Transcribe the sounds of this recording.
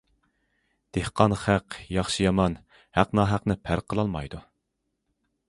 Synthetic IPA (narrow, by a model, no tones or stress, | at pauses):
d̪̥ehqʰɑnχæqjɑχʃɨjɑmɑn | hæqnɑːɦæqnɪpʰæɾqʰəlˠɑlˠmɑjd̪u